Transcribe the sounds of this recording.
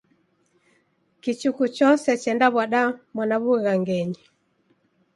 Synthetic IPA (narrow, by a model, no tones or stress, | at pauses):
kit͡ʃukut͡ʃɔsɛt͡ʃɛndaβaɗamwanaβuɣaŋɡɛɲi